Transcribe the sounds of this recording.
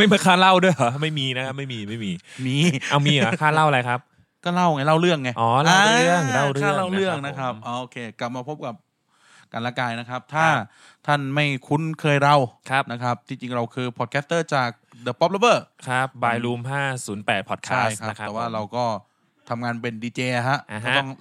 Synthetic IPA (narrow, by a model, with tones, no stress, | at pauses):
ma˥˩jma˧˩kʰaː˥˩la˥˩wdu˥˩əjma˥˩jmiː˧na˦˥kʰa˦˥p̚ma˥˩jmiː˧ma˥˩jmiː˧miː˧ʔa˧wmiː˧a˨˦kʰaː˥˩la˥˩wʔa˧la˧jkʰa˦˥p̚ | kɔː˥˩la˥˩wŋa˧˩jla˥˩wɾɯ˥˩əŋːa˧˩jʔɔː˨˧˩la˥aː˧˨˧ɯ˥˩əŋla˥˩wɾɯaː˩˥˩la˥˩wɾɯ˥˩əŋna˦˥kʰɾa˦˥p̚ʔoː˧˩ʔoː˧kʰeː˧kla˨˩p̚maː˧pʰo˦˥p̚ka˨˩p̚ | ka˧nlaː˧kaː˧jna˦˥kʰa˦˥p̚t̪ʰaː˥˩ | t̪ʰa˥˩nma˥˩jkʰu˧nkʰɤː˧jɾa˧˩wkʰa˦˥p̚na˦˥kʰɾa˦˥p̚t̪ʰi˧t͡ɕi˧ŋɾa˧wkʰɯː˧pʰɔ˨˩t̪̚kʰɛː˦˥t̪ɤː˥˩t͡ɕaː˨˩k̚dɤː˧˩pɔ˦˥p̚la˧bɤː˧˩kʰa˦˥p̚baː˧jluː˧mɦaː˥˩suː˩˦npɛː˨˩t̪̚pʰɔː˨˩t̪̚kʰaaː˦˥˩a˦˧˩p̪ʰɛː˨˩waː˥˩ɾa˧wkɔː˥˩ | t̪ʰa˧mŋaː˧npe˧ndiː˧t͡ɕeː˧ɦa˦˥ʔɔː˥˩˦t̪ŋ